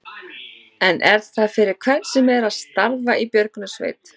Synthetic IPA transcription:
ɛnʔɛɾθaðfɪɾɪɾ̥kʰvɛnsɪmɛɾaðst̪aɾvaʔipjœɾkʏnʏsvḛːjt̪

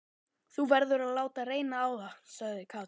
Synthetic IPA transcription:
θuvɛɾðʏɾaðlaːwt̪areːjnaːwðasaɣðɪkʰa

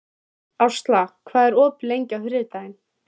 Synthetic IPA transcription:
awst̪lakʰvaːðɛɾɔːplejɲcawhɾɪt̪ajɪn

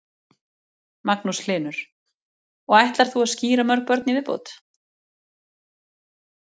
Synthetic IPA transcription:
maknuslɪːnʏɾ̥ | ɔɣajht̪laɾ̥θuaðsciːɾamœɾk̚pœɾt̪nivɪðpo̰ːwt̪

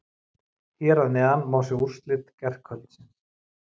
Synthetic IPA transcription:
θjɛɾaðnɛanmaːwsjɛur̥st̪lɪt̪cɛr̥kʰœlt̪sɪns

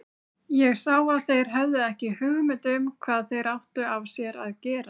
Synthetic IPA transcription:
jɛɣsaːwaðθejɾ̥ɦœvðʏɛhcɪhʏɣmɪnt̪ʏmkʰvaːðθejɾawht̪ʏavsjɛɾaðcɛːɾa

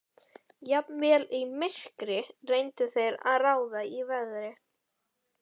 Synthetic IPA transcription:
japnvɛːlimɪskɾɪrejnt̪ʏθejɾa̰ðraːwðaivɛðɾɪ

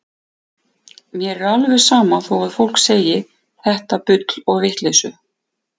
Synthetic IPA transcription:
mjɛɾɛɾalvɛ̥saːmaθowaðfowl̥kseːjɪ | θɛht̪apʏt̪lɔɣvɪht̪lesʏ

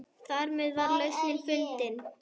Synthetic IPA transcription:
θaɾmɛðvaɾlœɥsmɪnfʏlt̪ɪn

